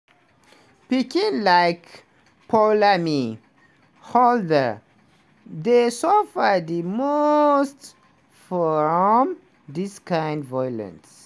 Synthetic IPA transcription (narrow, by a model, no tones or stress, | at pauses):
pikĩnlaɪk | pʰɔlami | hɔldə˞ | d̪esɔfəd̪imost | fɔɹəɔm | diskãɪ̃ndvɔjlə̰̃ns